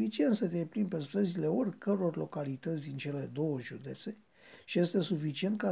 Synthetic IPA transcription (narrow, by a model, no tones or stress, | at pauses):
it͡ʃient̪sət̪eejplimpest̪ɾəzile̞orʲkəɾuorʲlo̞kalit̪ət̪sʲd̪int͡ʃe̞le̞d̪o̞wəʒud̪e̞t̪se̞ | ʃije̞st̪e̞sufit͡ʃie̞nt̪̚ka